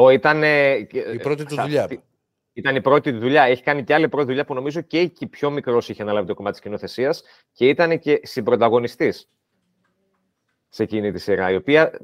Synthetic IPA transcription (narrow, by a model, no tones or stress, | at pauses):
oit̪ɐne̞ɾot̪it̪uʎɐi | it̪ɐnipɾo̞t̪iðuʎɐe̞çi̥kɐniceɐlipɾo̞t̪iðuʎɐpuno̞mizo̞ce̞icipço̞mikɾo̞siçeɐnɐlɐvit̪o̞ko̞mɐt̪eiscino̞θe̞siɐs | ce̞it̪ɐne̞ce̞sibɾo̞t̪ɐɣo̞nist̪is | se̞cinit̪isiɾɐ̰io̞piɐ